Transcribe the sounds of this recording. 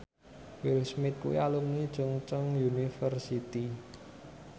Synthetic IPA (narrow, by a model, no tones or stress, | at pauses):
wilsmɪt̪̚kṵḭalumnid̥ʒ̥ʊŋt͡ʃəŋjunifərsit̪i